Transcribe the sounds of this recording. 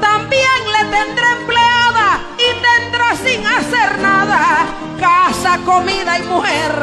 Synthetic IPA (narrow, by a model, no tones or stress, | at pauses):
t̪ambjeŋle̞t̪end̪ɾeempleaða | ind̪end̪ɾasiŋase̞ɾnaða | kasakomiðaimuheɾ